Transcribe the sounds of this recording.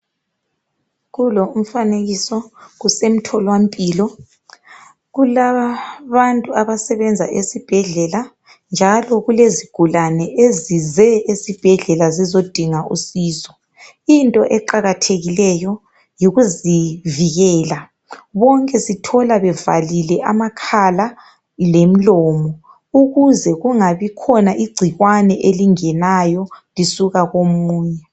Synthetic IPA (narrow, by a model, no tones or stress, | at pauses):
ɣulɔum̩faneɣisɔɣusem̩tʰɔlwampʼiːlɔ | ɣulaaβantʼuaβasɛβɛnd͡zʱaʔesib̥ʱɛɮɛla | nd͡ʒʱalɔɣuleziɡ̥ʱulanɛʔezizɛesib̥ʱɛɮɛlazizod̥ʱiŋaʔṵsiːzɔ̥ | intʼɔʔɛǃaɣatʰeɣilɛjɔ | jiɣuziviɣɛːla | βɔŋkʼɛsitʰɔlaβɛva̰lilɛʔamakʰala | lem̩lɔːmɔ | uɣuzɛɣuŋaβikʰɔnaʔiɡ͡ǀʱiɣwanɛʔeliŋɛnajɔlisuɣaɣomuːɲɛ